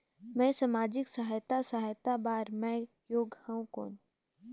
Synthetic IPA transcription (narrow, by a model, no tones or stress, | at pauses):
mɛ̃ːsamaːd͡ʒɪksəɦjt̪asaɦjt̪abaːɾmɛ̃ː | joːɡhɛũko̰ːn